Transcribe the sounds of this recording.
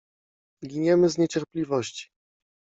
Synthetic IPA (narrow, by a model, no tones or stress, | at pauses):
ɡʲiɲɛmɘzɲet͡ɕɛɾplʲivɔɕt͡ɕi̥